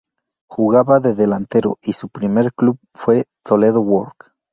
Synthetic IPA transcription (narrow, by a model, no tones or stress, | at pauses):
xuɣaβaðeðelant̪eɾo̰ʔisupɾimeɾkluβ̚ | fwet̪oleðowoɾk